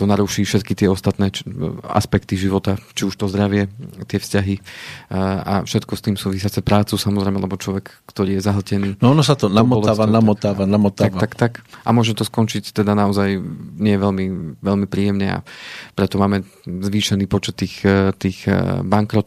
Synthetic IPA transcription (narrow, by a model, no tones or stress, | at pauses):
t̪ɔnaɾuːʃiːfʃɛt̪kit̪ɪɛɔst̪at̪nɛːa̰spɛkt̪iʒiʋɔt̪at͡ʃiuʃt̪ɔzd̪ɾaʋɪɛt̪ɪɛfscaɦi | a̰fʃɛt̪kɔst̪iːmsuːʋisɪat͡sɛpɾaːt͡susamɔzɾɛɪmɛlɛbɔt͡ʃlɔʋɛk | kt̪ɔɾiːjɛzaɦl̩cɛniːɔnɔsat̪ɔnamɔɔlaanamɔt̪aːʋanamɔt̪aakːakt̪akʔamʊɔʒɛmt̪ɔskɔnt͡ʃict̪ɛd̪anaɔzajɲɛjɛʋɛlmiʋɛʎmipɾiːjɛmɲɛa̰pɾɛt̪ɔmaːmɛ | zʋiːʃɛniːpɔt͡ʃɛt̪ːiːxt̪iːɣbaŋkɾɔt̪